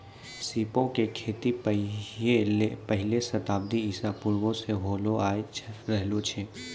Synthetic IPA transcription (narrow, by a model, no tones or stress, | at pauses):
siːpõkekʰeːt̪ipeepəɦɪlesɐt̪aːb̚d̪iisapuɾʋõseɦoːloaːet͡ʃɾɛɦlot͡ʃʰe